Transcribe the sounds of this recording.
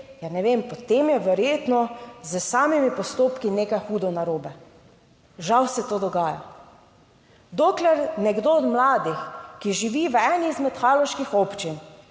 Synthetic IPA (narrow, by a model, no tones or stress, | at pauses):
janɛʋempɔt̪emjɛʋɛɾjeːt̪nɔzəsaːmimipɔst̪oːpkinekajxuːd̪ɔnaɾoːbɛ | ʒawsɛt̪oːd̪ɔɡaːja̰ | d̪oːklɛɾnɛɡd̪oɔd̪mlaːd̪ixkiʒiʋiːʋɛniːzmɛt̪xaːlɔʃkixɔpt͡ʃin